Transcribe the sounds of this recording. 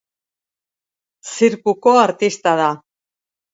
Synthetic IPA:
siɾkuko̞aɾt̪ist̪að̞a

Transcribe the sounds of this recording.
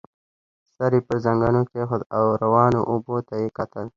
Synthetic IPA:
saɾipəɾzɐŋɡanokexʊd̪awɾawɑːno̰ʔʊbot̪ajekat̪əl

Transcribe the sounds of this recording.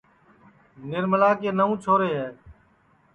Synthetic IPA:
nɪɾməlaːkeːnəũːt͡ʃʰoːɾeːɦɛː

